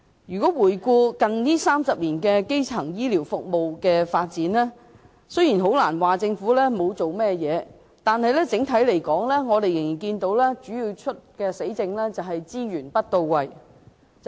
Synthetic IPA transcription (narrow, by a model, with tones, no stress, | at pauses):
jyː˨˩kɔː˨˥wuː˨˩jkuː˧kɐ˨nniː˥saː˥msɐ˨p̚liː˨˩nkɛː˧ke˥jt͡sʰɐ˨˩ŋjiː˥liː˨˩wfʊ˨k̚mo˨wkɛː˧faː˧t̚t͡siː˨˥nlɛː˥ | sɵ˥jiː˨˩nɦo˨˥wlaː˨˩nwaː˨t͡sɪ˧ŋfuː˨˥lɛː˥mo˨˧wt͡so˨wmɛː˥jɛː˨˧ | t̪aː˨nhɐ˨jlɛː˥t͡sɪ˨˥ŋt̪ʰɐ˨˥jle˨˩jkɔː˨˥ŋlɛː˥ŋɔː˨˧t̪e˨jɪ˨ŋji˨˩nkiː˧nt̪o˨˥wlɛː˥t͡ʃyː˨˥jiː˧wt͡ʃʰɵ˥t̚kɛː˧se˨˥jt͡sɪ˧ŋlɛ˥t͡sɐ˨wɦɐ˨jt͡siː˥jyː˨˩npɐ˥t̚t̪o˧wwɐ˨j